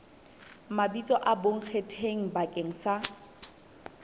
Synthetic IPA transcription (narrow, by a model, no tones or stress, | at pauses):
mabit͡sʼɔʔaboŋ̩k͡xʰetʰeŋ̩bakʼeŋ̩sa